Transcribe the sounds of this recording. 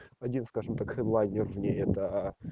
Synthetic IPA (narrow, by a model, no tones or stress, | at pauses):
ɐdʲinskaʐɨmt̪akxɛd̪lˠajnʲɪrvnʲeɛt̪ə